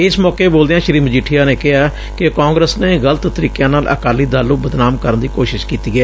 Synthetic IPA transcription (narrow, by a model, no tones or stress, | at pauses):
ɪsmɔːkeːboːld̪eːãːʃəɾiːməd͡ʒiʈʰːijaːneːkɪɦaː | kɪkãːŋɡɾəsneːɣələt̪t̪əɾiːkjãːnaːlʔə̰kaːliːd̪aːlːũːbəd̪naːmkəɾənd̪iːkoːʃɪʃkiːt̪iːɡɛː